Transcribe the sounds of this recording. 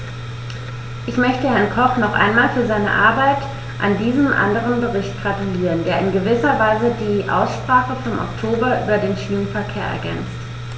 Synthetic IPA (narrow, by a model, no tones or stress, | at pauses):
ʔɪçmœçtəhɛɐnkʰɔχnɔχʔa̰ɪnmaːlfyːɐzaɪnə̰ʔa̰ɐbaɪt | ʔa̰ndiːzəmʔa̰ndəʁ̞ənbəʁɪçt̚ɡ̥ʁatuliːʁəndeːɐɪnɡəvɪsɐvaɪzədiːʔa̰ʊsʃpʁ̥aːχəfɔmʔɔ̰ktʰoːbɐʔy̰ːbɐdeːnʃiːnənfɛɐkʰeːɐʔɛ̰ɐɡɛnt͡st